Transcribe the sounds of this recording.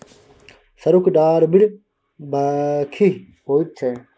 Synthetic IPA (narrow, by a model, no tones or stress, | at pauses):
sɐɾukɖaːɾbɪɽ | baːkʰi | ɦoːit̪̚t͡ʃʰe